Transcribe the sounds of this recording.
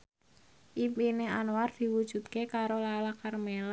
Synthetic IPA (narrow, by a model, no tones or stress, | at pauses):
ʔimpineanward̪̥i̤wud̥ʒ̥ṳt̪̚kekaɾolalakarmela